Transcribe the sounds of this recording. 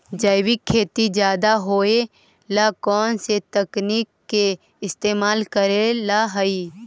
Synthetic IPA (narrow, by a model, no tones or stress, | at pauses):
d͡ʒəɪwɪkʰːeːt̪id͡ʒjaːd̪aɦoːe | lakɔːnset̪əkniːkːe | ɪst̪eːmaːlkəɾelaɦəiː